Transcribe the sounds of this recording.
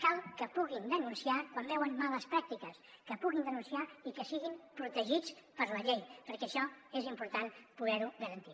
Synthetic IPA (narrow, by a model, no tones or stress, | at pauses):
kalˠkəpuɣind̪ənunsiakwambɛwənmaləspɾak̚t̪ikəskəpuɣind̪ənunsiaikəsiɣimpɾut̪əʒit͡spəɾləʎejpəɾkɛːʃɔezimpuɾt̪anpuðɛɾuɣəɾənt̪i